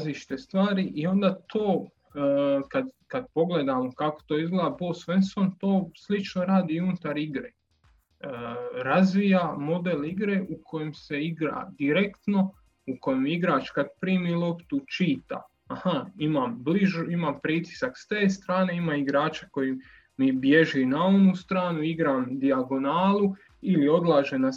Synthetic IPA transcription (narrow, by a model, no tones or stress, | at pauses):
aziʃt̪est̪ʋaːɾiʔio̞nd̪aːt̪ʰoː | kad̪kad̪̚po̞ɡled̪amokako̥t̪o̞ːizɡleːd̪abo̞ːsʋensont̪o̞ːslit͡ʃnoɾaːd̪iunt̪aɾiɡɾḛ | ɾazʋijamo̞d̪eliɡɾe̞ʔukʰo̞jemse̞iɡɾa̰d̪iɾekt̪no̞ | uko̞jemiɡɾaːt͡ʃkad̪̚pɾiːmilˠo̞pt̪ut͡ʃiːt̪a̰ | ahaimambliʒuimampɾit̪i̥sakst̪eːst̪ɾaːne̞imaiɡɾaːt͡ʃḁko̞ji | mibje̞ʒinao̞nust̪ɾaːnuiɡɾamd̪iaɡo̞naːlˠu | ilio̞d̪lˠaːʒena